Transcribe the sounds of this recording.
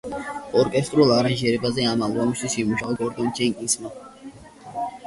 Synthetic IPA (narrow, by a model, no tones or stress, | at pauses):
ɔɾkʼɛst̪ʼɾulˠaɾanʒɛɾɛbazɛamalˠvamist̪ʰwisimuʃaɔɡɔɾd̪ɔnt͡ʃʰɛŋkʼisma